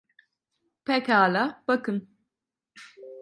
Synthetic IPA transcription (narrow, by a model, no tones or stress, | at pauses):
pɛkaːlab̥ɐkɨn